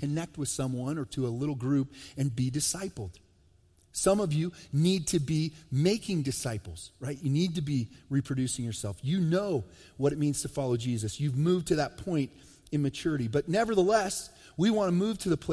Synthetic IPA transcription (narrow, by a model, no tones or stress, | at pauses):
ɨnɛk̚t̚wɨð̥sʌ̃mwʌ̃nə˞ɾəəlɪɾl̩ˠɡɹʉpɨ̃nbidɨsaɪpl̩ˠd̥ | sʌ̃mʌvjɨnid̚tʰɨbimeɪkʰɪ̃ŋdɨsaɪpl̩ˠz̥ɹaɪt͡ʃɨnid̚tɨbiɹipʰɹ̥ɨdʉsɪ̃ŋjə˞sɛlˠfjɨnoʊ | wʌɾɨt̚mĩnz̥tʰɨfɑlˠoʊd͡ʒizɨsjʉvmʉv̚tʰɨðɨt̚pʰɔ̃ɪ̃nt | ɨ̃nmɨt͡ʃʰʊɹɨɾibʌtⁿnɛvə˞ðəlɛs | wiwɑ̃nəmʉv̥tʰɨðəpʰl̥